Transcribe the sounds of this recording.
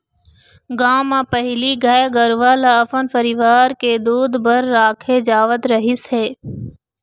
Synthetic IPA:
ɡãːmãːpəɦɪliːɡaːeɡəɾʋaːlaːəfənfəɾiːʋaːɾkeːd̪uːd̪bəɾːaːkʰeːd͡ʒaːʋət̪ɾəɦɪsɦeː

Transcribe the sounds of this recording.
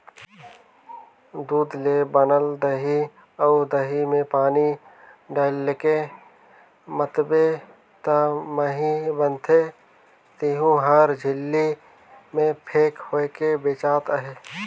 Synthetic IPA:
d̪uːd̪leːbənəld̪əɦi | əʊd̪əɦimẽpaːni | ɖaːlːeke | mət̪be | t̪aməɦĩbənt̪ʰe | t̪iɦũɦəɾd͡ʒʱɪlːi | mẽpʰeːkhoekebeːt͡ʃaːt̪əɦeː

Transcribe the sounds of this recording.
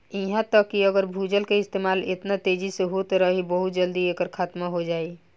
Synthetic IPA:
iɦãt̪əkːiəɡəɾbʱud͡ʒəlkeɪst̪emalḛt̪nat̪ed͡ʒiseɦot̪ɾəɦibəɦut̪̚d͡ʒəld̪iekəɾkʰat̪maɦod͡ʒai

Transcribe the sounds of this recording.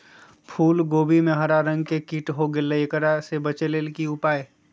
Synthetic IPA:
pʰuːlɡoːbimẽɦəɾaɾə̃ŋɡkekiʈɦoɡeləkəɾasebət͡ʃeleːlkiʊpaːe

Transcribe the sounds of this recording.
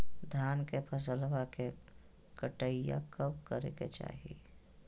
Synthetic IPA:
d̪ʱaːnkepʰəs̬əlwake | kəʈəija̰kəbkəɾḛkḛt͡ʃa̰ːɦḭ

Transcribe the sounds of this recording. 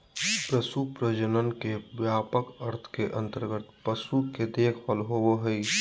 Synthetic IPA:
pɾəsupɾəd͡ʒənənkeʋjaːpəkəɾt̪ʰkeʔə̃nt̪əɾɡət̪pəsuked̪eːkʰʋəlɦooɦəi

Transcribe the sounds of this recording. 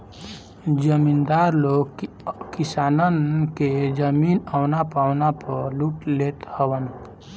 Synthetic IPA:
d͡ʒəmind̪aɾloɡ | kisanənked͡ʒəminəwnapaʊnapəɾluʈlet̪həwən

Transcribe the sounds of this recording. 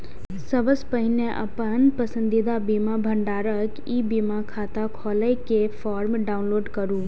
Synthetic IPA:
səbəspəɦɪneʔɐ̰pənpɐsə̃nd̪id̪abiːmabʱəɳɖaːɾək | iːbimakʰaːt̪akʰɔːləjkefaːɾmɖaːʊnloːɖkɐɾũː

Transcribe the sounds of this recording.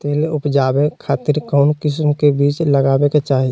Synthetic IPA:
t̪eːlʊpd͡ʒaːbekʰaːt̪ɪɾkɔːnkɪsmkebiːt͡ʃləɡaːbeket͡ʃaːɦi

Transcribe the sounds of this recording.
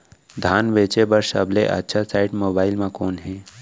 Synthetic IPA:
d̪ʱaːnʋet͡ʃebəɾsəbleʔə̰tːʃʰasaːɪʈmoːbaːɪlmãkoːnɦɛ̃

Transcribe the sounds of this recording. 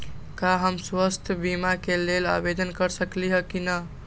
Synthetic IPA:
kaɦəmswəst̪ʰjəbimakelela̰bed̪ənkəɾsəkliɦəkinə

